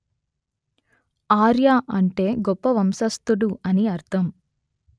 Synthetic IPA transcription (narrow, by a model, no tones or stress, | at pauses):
aːɾjaːʔɐɳʈe̞ːɡɔpːɐʋɐmsɐst̪uɽuɐniɐɾt̪ʰɐm